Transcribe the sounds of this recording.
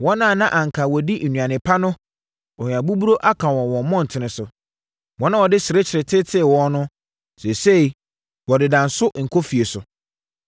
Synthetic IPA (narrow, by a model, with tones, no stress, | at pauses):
wɔ̃˦nã˦˨nã˦ʔã˨ŋ̩˨kʰa˨wɔ˨di˦n̩˨nũ˨ã˨nɪ̃˨pʰa˦nʊ̃˦ | ɔ˨ɲ˨ã˨bu˦bu˦ɾo˦ʔa˦kʰã˨wɔ̃˨wɔ̃˨mmːɔ̃˦˨n̩˨tʰɪ˨nɪ̃˨sʊ˨ | wɔ̃˦nã˦wɔ˨dɪ˦sɪ˨ɾe˦t͡ɕʰɪ˨ɾɪ˨tʰɪ˦tʰɪ˦˨wɔ̃˦nʊ̃˦ | sɛ˨se˦i˨ | wɔ˨dɪ˨dã˨nsʊ˦ʔŋ̩˨kʰo˦fi˨e˨sʊ˨